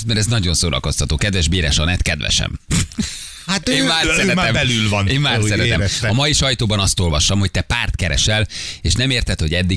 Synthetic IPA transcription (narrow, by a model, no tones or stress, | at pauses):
mɛɾɛznɒɟo̞nsoːɾɒ̰ko̞st̪ʰɒt̪oːkɛd̪vɛʒbiːɾɛʃɒnɛt̪kɛd̪vɛ̰ʃɛ̰m | hat̪eːmaːrsɛɛt̪ːɛmbɛlylvɒneːvaːrsɛɾɛɾɛ̰mɒmɒjiʃɒjt̪oːbɒnɒst̪o̞lvɒʃt̪ɒmho̞c̚t̪ɛpaːrt̪kɛɾɛ̰ʃɛleːʃnɛmeːrt̪ɛt̪ho̞ɟɛd̪ːi